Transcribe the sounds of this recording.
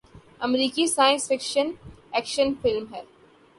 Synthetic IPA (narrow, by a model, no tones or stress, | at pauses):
ɐmɾiːkisaːjə̃nsfɪkʃən | ɛːkʃənfɪlmɦɛː